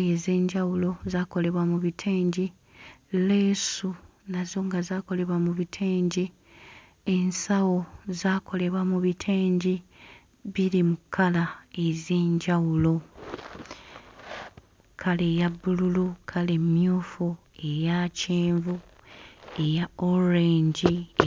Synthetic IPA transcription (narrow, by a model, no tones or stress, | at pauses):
eze̞ːɲɟawulo̞zaːko̞le̞βwamuβitʰeːɲɟi | le̞ːsu | nazo̞ːŋɡazaːko̞le̞βwamuβitʰeːɲɟi | e̞nsawo̞zaːko̞le̞βwamuβitʰeːɲɟi | βiɾimukʰːalae̞zeːɲɟawulo̞ | kʰale̞ːjabːululukʰale̞mjoːfu | e̞jaceːɱvu | ejaoɾeːɲɟi